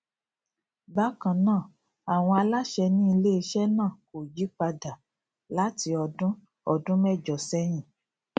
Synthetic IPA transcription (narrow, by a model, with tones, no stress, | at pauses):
ba˦kã˨nãː˦˨ | a˨w̃ɔ̃˧a˧la˦ʃɛ˧nĩ˦i˧le˦i˧ʃɛ˦nãː˦˨ko˨ji˨˦k͡pa˧da˨ | la˦ti˧ɔ˧dũ˦ | ɔ˧dũ˦mɛ˦˨d͡ʒɔ˨sɛ˦j̃ĩ˦˨